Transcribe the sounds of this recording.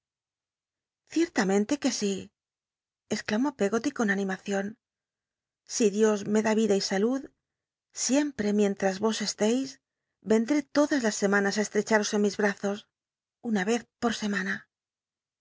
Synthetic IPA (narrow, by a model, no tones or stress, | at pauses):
θje̞ɾt̪amẽ̞nt̪e̞ke̞si | esklamo̞peɣo̞t̪iko̞nanĩmaθjo̞n | siðjo̞zme̞ðaβiðaisaluð | sje̞mpɾe̞mjẽ̞nt̪ɾazβo̞se̞st̪ejs | be̞nd̪ɾe̞t̪o̞ðazlasːe̞mãnasaest̪ɾe̞t͡ʃaɾo̞se̞nmizβɾaθo̞s | unaβe̞θpo̞ɾse̞mana